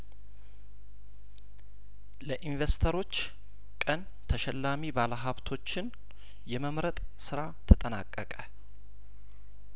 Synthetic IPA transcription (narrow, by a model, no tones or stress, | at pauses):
ləʔinvest̪ʰəɾo̞t͡ʃː | kʼən | t̪ʰəʃɛlːamibaləɦaβt̪ʰo̞t͡ʃːɪn | jɛməmɾət̪ʼ | sɨɾat̪ʰət̪ʼəna̰kʼːəkʼə